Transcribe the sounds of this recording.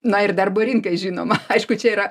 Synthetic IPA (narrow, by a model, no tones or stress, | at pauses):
nɐɪrd̪ɐrboːɾʲɪŋkɐɪʒʲiːnoːmɐɐɪʃkʊt͡ʃʲɛiːɾɐ